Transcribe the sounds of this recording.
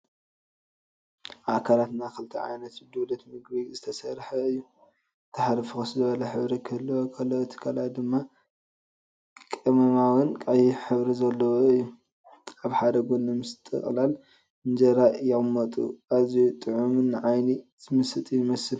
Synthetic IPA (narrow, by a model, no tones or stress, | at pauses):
ʔakʰalat̪nakɨlt̪ʰɐ̰ʕa̰jnɐt̪d̪ɨβlɐt̪mɨɡbizɨt̪ʰɐsɐɾħɐɨjːu | t̪ʰɐħaɾɨfɨxɨszɨβɐlɐħɨβɾikʰɐlːɐwokʰɐlːɐot̪ʰɨ̥kʰalat̪̚d̪ɨmːa | kʼɨmɐmawɨnkʼajiħɨβɾizɐlːɐwoɨjːu | aβħad̪ɐɡonːɨmɨst̪ʼɨ̰χʼlal | ɨnd͡ʒɐɾaʔjɪɣmːɐt̪ʼṵʔazijut̪ʼɨʕumɨnːɨʕajniz̥ɨmɨsɨt̪ʼijɪmɐsɨl